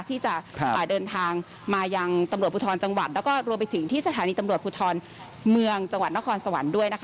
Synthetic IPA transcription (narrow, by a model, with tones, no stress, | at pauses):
t̪ʰiː˥˩t͡ɕa˨˩˧ʔaː˨˩dɤː˧nt̪ʰaː˧ŋ | maː˧ja˧ŋt̪a˧mɾu˨˩t̪̚pʰu˧t̪ʰɔː˧nt͡ɕa˧ŋwa̰˨˩t̪̚lɛː˦˥kɔː˥˩ɾu˧əmpa˧jt̪ʰɯ˩˦ŋt̪ʰiː˥˩sa˧t̪ʰaː˨˦niː˧t̪a˧mɾu˨˩ət̪pʰuː˧t̪ʰɔː˧n | mɯ˧əŋt͡ɕa˧ŋwa˨˩t̪̚na˦˥kʰɔː˧nsa˧wa˩˦ndu˥˩əjna˦˥kʰ